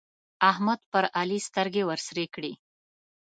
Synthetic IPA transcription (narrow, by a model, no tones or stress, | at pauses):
ahmad̪̚pəɾalist̪əɾɡewəɾsɾekɽi